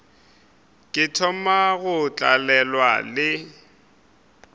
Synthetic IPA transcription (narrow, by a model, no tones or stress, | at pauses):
kʼɪtʰɔmaɣʊt͡ɬʼalɛlwa̰lɪ